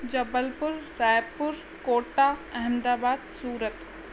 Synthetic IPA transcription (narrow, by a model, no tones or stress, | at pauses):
d͡ʒɐbəlpʊɾːaːjpʊɾ | koːʈaɐɦəmd̪aːbaːd̪suːɾət̪